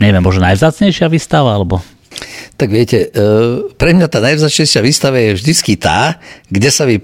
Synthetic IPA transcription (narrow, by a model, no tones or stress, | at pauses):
ɲɛʋjɛmːɔʒnɔnajvzaːt͡sɲɛjʃɪaʋiːst̪aʋaalɛbɔ | t̪aɡʋɪɛcɛ | pɾɛmɲat̪aːnajvzaːt͡sɲɛjʃɪaʋiːst̪aʋajɛvʒd̪it͡skit̪a̰ːɡɟɛsaʋi